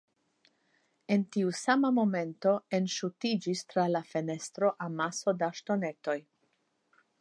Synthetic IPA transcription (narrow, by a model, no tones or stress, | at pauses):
e̞ntiusamamo̞me̞nto̞e̞nʃutid͡ʒistɾalafe̞ne̞stɾo̞ʔamaso̞daʃto̞ne̞to̞j